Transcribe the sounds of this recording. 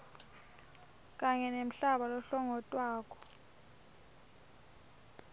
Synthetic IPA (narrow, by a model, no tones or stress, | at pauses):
k̬ʼaɲɛnem̩ɬaɓalɔɬɔŋɔtʼwaːkʰʼɔ̥